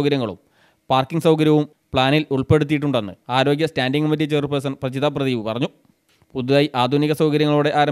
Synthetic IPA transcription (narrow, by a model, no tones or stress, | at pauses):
kɐɾjɐŋːɐɭṵm | paːrkːiŋɡsɐwkɐɾjɐʋum | pɭaːniluɭpe̞ɽut̪̬ːijiʈːuɳɖenːɨ̰aːɾo̞ːɡjɐstaːnɖiŋɡɐmɐt̬ːit͡ɕerpɐsɐnprɐt͡ɕiðɐp̬rɐðiːʋɨpɐrɐɲːu | puðiðaːjiʔaːd̪ʱuniɣɐsɐwkɐɾjɐŋːɐɭuːɽe̞ʔaːɾɐ